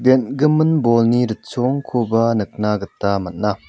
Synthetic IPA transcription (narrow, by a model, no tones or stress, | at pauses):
d̪enɡɯmɯnbɔlniɾət̚sɔŋkʰobanɯk̚naɡɯtːamɐt̚na